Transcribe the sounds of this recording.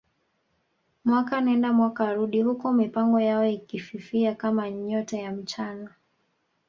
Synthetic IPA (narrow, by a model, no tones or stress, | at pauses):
mwakaːnaɛndamwakaːɾuɗihukɔmipaŋɡɔjaɔikififiakamaɲɔtajam̩t͡ʃana